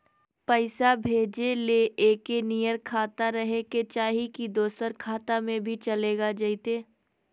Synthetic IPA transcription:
pəɪsabʱeːd͡ʒeleʔeːkenijəɾkʰaːt̪aɾɐɦeket͡ʃaːɦikid̪oːsəɾkʰaːt̪amẽbʱit͡ʃɐleːɡad͡ʒəit̪eː

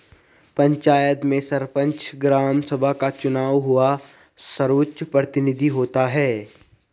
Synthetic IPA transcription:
pɐ̃ɲt͡ʃaːjət̪mẽsɐɾpə̃ɲt͡ʃɡɾaːmsəbʱakat͡ʃʊnaːwɦʊa | səɾʊtʃpɾət̪ɪnɪd̪ʱiɦoːt̪aɦɛː

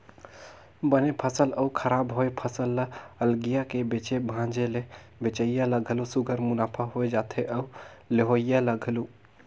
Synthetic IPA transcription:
bənepʰəsələukʰəɾabɦoepʰəsəlːəəlɡijakebet͡ʃebʱãd͡ʒele | bet͡ʃəijaləɡʱəlusuɡʱəɾmunapʰəɦoed͡ʒat̪ʰeʔəuleɦojjaləɡʱlu

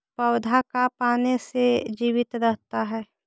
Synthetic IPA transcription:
pəwd̪ʱakapaːnesed͡ʒiːʋɪt̪ɾəɦt̪aɦɛː

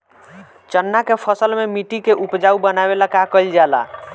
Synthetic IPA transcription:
t͡ʃənːakepʰəsəlmemiʈikeʔupd͡ʒaubənabelakakəild͡ʒala̰

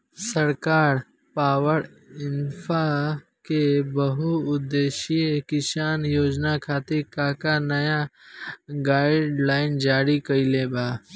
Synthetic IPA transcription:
səɾkaːɾ | paːwəɾ | ɪnfa | kebəɦuʊd̪eːʃiekɪʃaːnjoːd͡ʒnakʰaːt̪ekaːkanɐja | ɡaːɪɖlaːɪnd͡ʒaːɾikəileːbʱaː

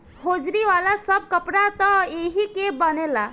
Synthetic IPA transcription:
hod͡ʒɾiʋalasəb̚ʱkəpɾat̪ɔeɦikebənela

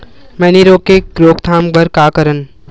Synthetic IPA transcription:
mɛːniɾoːkeɡɾoːkt̪ʰaːmbʱəɾkaːkəɾən

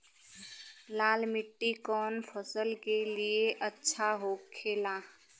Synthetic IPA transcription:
laːlmɪʈːikɔːnpʰəsəlkelieʔətːʃʰaɦoːkʰːeːlaː

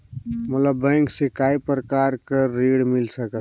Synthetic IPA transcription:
mət̪ləbːɛ̃ŋksikaipɾəkaːɾkəːeɽmɪlsəkə

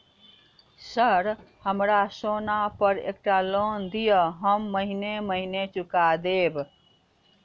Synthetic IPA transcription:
səɾhəmɾasonapəɾḛk̚ʈalond̪ijəɦəmːəɦineməɦinet͡ʃukad̪eb

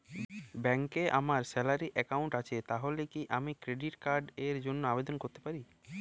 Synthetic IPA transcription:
bɛŋkeʔa̰maɾsɛlaɾiʔɛkauɳʈat͡ɕʰet̪aɦolekiʔamikɾeɖiʈkaɾɖeɾd͡ʑonːoabed̪onkoɾt̪e̥paɾi

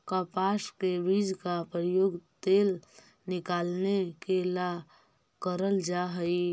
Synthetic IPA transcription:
kapaskebid͡ʒkapɾəjoɡt̪eːl | nɪkaːlnekela | kəɾəld͡ʒaɦəi

